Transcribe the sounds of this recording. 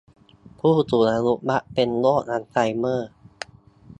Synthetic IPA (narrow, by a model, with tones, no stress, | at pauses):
pʰuː˥˩t̪u˨˩na˧lu˦˥ʔ̚ba˦˥ʔpe˧nloː˥˩t̪̚ʔa˧˦nsa˧jmɤː˥˩